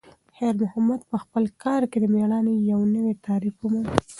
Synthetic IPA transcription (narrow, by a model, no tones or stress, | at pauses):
heɾmʊhamad̪pəxpəlkɑɾked̪əmeɽɑnejawnəwet̪ɑɾifəmun